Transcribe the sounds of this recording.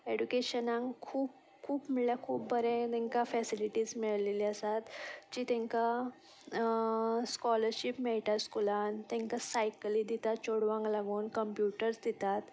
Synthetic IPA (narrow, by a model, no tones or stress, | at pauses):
eɖukeɕənãŋkʰuːp | kʰuːpmiɭljakʰuːp̚bəɾɛ̃t̪ɛ̃ŋkafɛsiliʈiːd͡zmiɭleliːəsat̪d͡ʑiːt̪ɛ̃ŋka | skɔləɾɕipmeɭʈ̪askulant̪ɛ̃ŋkasajklid̪it̪at̪t͡ɕoɽʋãŋɡlaɡuːnkəmpjuʈəɾsd̪it̪at̪